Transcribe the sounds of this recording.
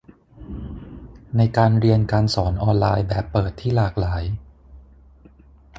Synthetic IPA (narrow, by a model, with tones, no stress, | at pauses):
na˧jkaː˧nɾi˧ənkaː˧nsɔː˩˦nʔɔː˧nlaː˧jbɛː˨˩pːɤː˨˩t̪ʰːiː˥˩laː˨˩k̚laː˩˦j